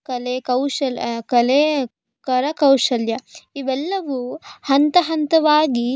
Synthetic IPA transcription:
kɐlekɐwʃɐlkɐle | kɐɾɐkɐwʂɐljɐiʋɛlːɐʋuhɐnt̪ɐɦɐnt̪ɐʋaːɡi

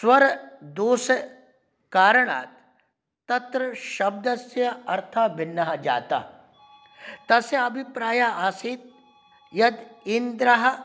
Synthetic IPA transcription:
swɐɾd̪oːs | kaːɾɽ̃a̰ːt̪ː | ɐt̪ɾəʃɐb̚d̪ɐsjɐɐɾt̪ʰabɪnːɐɦd͡ʒa̰ːt̪a̰ | t̪ɐseɐbʱipɾaːjaaːsiːt̪̚ | jɐd̪ɪnd̪ɾɐɦ

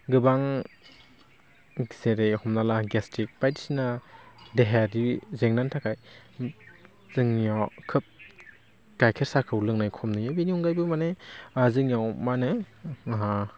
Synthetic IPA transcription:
ɡɯbaŋ | zeɾejhɔmnalaɡastʰik̚pajti̥sinadeɦaɾizeŋnantʰakʰaj | z̥ɯŋjɔkʰɯp̚ | ɡajkʰeɾsakʰɯwlɯŋnajkʰɔmnɯjabiniɔŋɡajbɯmaneazɯŋjawmanɯɦa

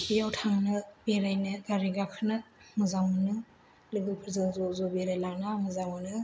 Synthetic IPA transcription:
kʰijawtʰaŋnɯbeɾajnɯɡaɾiɡakʰɯnɯmɯzaŋɯnɯ | lɯŋɡɯpʰɯɾzanzɔzɔbeɾajlanamɯzaŋmɯnɯ

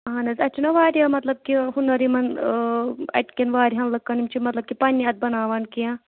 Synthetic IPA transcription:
ɦanɐzʲɐt͡ʃʰinɐʋaːɾiamɐt̪lɐb̚kiɦunɐɾimɐn | ɐ̰ʈkenʋaːɾiɦɐnlɐkːɐnimt͡ʃʰimɐt̪lɐb̚kipaːnʲiɐt̪̚bɐnaːʋankijã

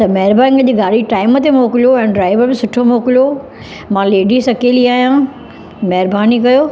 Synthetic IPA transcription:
t̪ɐmɐɦɪɾbaːnɪ̃ŋɡɐd͡ʑiɡaːɽiʈaːɪmət̪emoːkɪlijoɛ̃ːnɖɾaːɪʋəɾbɪsʊʈʰomoːkɪljo | mãːleːɖisɐkeːliaːijãː | mɐɦɪɾbaːnikɐjoː

